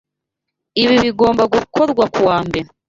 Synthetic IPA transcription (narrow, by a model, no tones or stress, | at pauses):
iβiβiɡo̞ːmbaɡukʰo̞ɾɡwakuwaːmbe